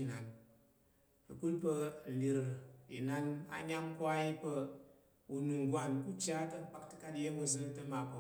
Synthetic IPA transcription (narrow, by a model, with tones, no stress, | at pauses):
na˨n | ɐ˨ku˦lpɐ˧˨li˨ɾi˨na˧na̰˨ɲʲa˦ŋkʷa˦i˦pɐ˧ | u˨nu˨ŋ˨ɡʷa˨nku˦t͡ʃʲa˦tɐ˦˨k͡pa˦ktɨ̥˦ka˦tje˦mɐ˨zɐ˦tɐ˦ma˨po˨